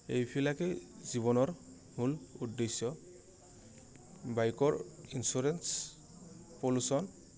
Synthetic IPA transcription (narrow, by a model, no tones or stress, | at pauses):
ejpʰilakeziβɔnɔɾ | muludːesjɔ | bajkɔɹinsuɾens | polusɔn